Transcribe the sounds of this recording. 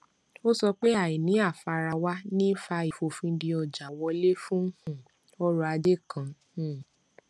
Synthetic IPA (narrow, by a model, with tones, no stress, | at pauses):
o˦sɔ˧k͡pe˦a˦˨i˨nĩ˨˦a˦˨fa˧ɾa˧wa˦nĩ˦fa˧i˨fo˧fĩ˧˦di˧ɔ˧˨d͡ʒa˨wɔ˧˦le˦fũ˦hũ˦˨ | ɔ˦ɾu˧a˧de˦˨kã˧˨ | ũ˦˨